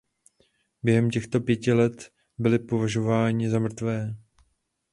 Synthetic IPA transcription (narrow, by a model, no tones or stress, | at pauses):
bjɛɦɛmcɛxt̪o̞pjɛcɪlɛt̪ | bɪlɪpo̞vaʒo̞vaːɲɪzamr̩t̪vɛː